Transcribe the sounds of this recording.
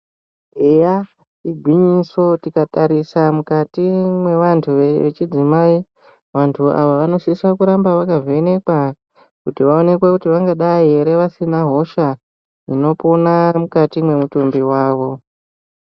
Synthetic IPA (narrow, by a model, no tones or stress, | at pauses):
eja | iɡʱwiɲiso̞tikataɾisamukatimwe̞ʋantʰuʋeḛt͡ʃid͡zimai | ʋantʰuʔa̰ʋaʋano̞ʃisakuɾambaʋakazoene̞kwa | kutiʋao̞ne̞kwekutiʋaŋɡaɗaieɾe̞ʋasinaɦo̞ʃa | ino̞ponamukatimwe̞mutumbiwaːʋo̞